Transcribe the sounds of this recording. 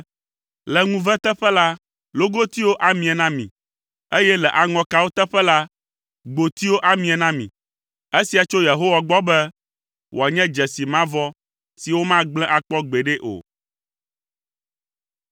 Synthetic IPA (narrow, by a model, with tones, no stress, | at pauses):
lɛ˨ŋũ˦vɛ˦t̪ɛ˦ɸɛ˦la˦ | lo˦ɡo˦t̪i˦wo˦ʔa˦mĩ˨ɛ˨nã˦mḭ̃˨ | e˦jɛ˦lɛ˨ʔa˨ŋɔ̃˨ka˦wo˦t̪ɛ˦ɸɛ˦la˦ | ɡ͡bo˨t̪i˦wo˦ʔa˦mĩ˨ɛ˨nã˦mĩ˨ | e˦si˨a˨t͡ʃo˦je˨ɦo˦wa˨ɡ͡bɔ˦bɛ˦ | wo˨a˨ɲɛ̃˦d͡ʒɛ˨si˨mã˦vɔ˦ | si˨wo˦mã˦ɡ͡blɛ̃˦ʔa˨k͡pɔ˦ɡ͡be˨ɖɛ˦ʔo̰˨